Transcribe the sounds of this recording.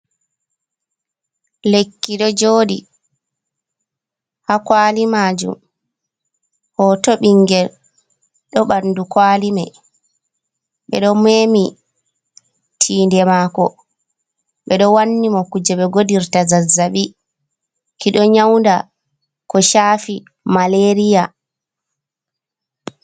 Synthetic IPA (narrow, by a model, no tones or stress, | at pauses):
lekːiɗɔd͡ʒoːɗi | hakwaːlimaːd͡ʒṵm | hɔtɔɓiŋɡɛl | ɗɔɓandukwaːlimɛ | ɓɛ̰ɗɔmeːmi | tʰiːndɛmakɔ | ɓɛɗɔwanːimɔkud͡ʒɛɓɛɡodiɾtazazːaɓi | kiɗɔɲawnda | kɔʃaːfi | maleɾija